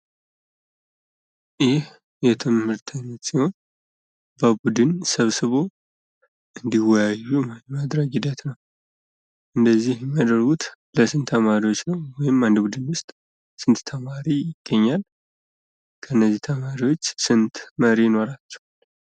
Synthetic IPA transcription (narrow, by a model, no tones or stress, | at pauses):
jɪh | jɛt̪ʰɨmhɨɾt̪ʰənːət̪siho̞n | bəbud̪ɨnsəβsɨβo̞ | ʔɨnd̪iwɔjajːumad̪ɾəɡid̪at̪nəw | ʔɨnd̪əzːihjɛməd̪əɾɡut̪ | ləsɨnt̪ʰːəmaɾiwo̞t͡ʃːnəwwɔjɪmand̪əbud̪ɨnwʊst̪ʼ | sɨnt̪t̪ʰəmaɾijɪɡ̥ːəɲːal | kʰənːəzːit̪ʰəmaɾiwo̞t͡ʃːsɨnt̪məɾijno̞ɾat͡ʃːɛ̥wal